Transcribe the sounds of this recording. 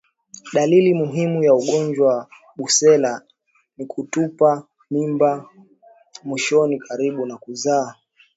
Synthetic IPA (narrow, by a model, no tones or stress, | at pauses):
ɗalilimuɦimujauɠɔnd͡ʒwaw | ɓusɛla | nikʰutupa | mimba | mwiʃɔnikʰaɾiɓunakuzaː